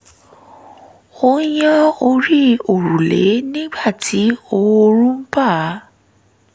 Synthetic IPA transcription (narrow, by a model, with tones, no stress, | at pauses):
o˦jã˦o˧ɾi˦o˨ɾu˨lḛ˨˦nĩ˦ɡ͡ba˦˨tʰi˨˦o˧wo˧ɾũ˦m̩˦pa˦˨˦